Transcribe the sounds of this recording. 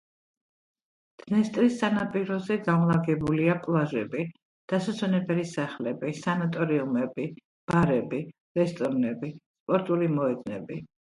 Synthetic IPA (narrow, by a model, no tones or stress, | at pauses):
d̪̥nɛst̪ʼɾisːanapʼiɾɔzɛɡamlˠaɡɛbuliakʼlˠaʒɛbi | d̪̥asat̪sʰɔnɛbɛlisaχlɛbisanat̪ʼɔɾiumɛbi | b̥aɾɛbi | ɾɛst̪ʼɔɾnɛbispʼɔɾt̪ʼulimɔɛd̪nɛ̰bi